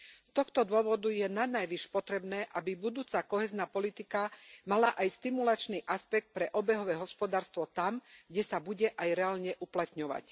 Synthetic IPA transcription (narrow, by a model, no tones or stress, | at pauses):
st̪ɔxt̪ɔd̪ʊɔʋɔd̪ujɛnanajʋiʃpɔt̪ɾɛbnɛːʔabibud̪uːt͡sakɔɦɛːznaːpɔlit̪ikamalaʔajst̪imulat͡ʃniʔaspɛk̚t̪̚pɾɛʔɔbɛɦɔʋɛːɦɔspɔd̪aːɾst̪ʋɔt̪amɡɟɛsabuɟɛʔajɾɛaːlɲɛʔuplat̪ɲɔʋa̰c